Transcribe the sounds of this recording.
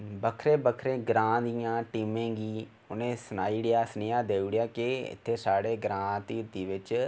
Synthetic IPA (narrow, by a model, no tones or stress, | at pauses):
bəkʰɾeːbəkʰɾẽːɡɾãːd̪ijãːʈiːmẽːɡiː | ʊnẽːsənaːiːɽɪjaːsənɪjaːd̪eːɽɪjaːkɪɪ̰t̪ʰːeːsaːɽeːɡɾãːt̪iːɾt̪iːʋɪt͡ʃ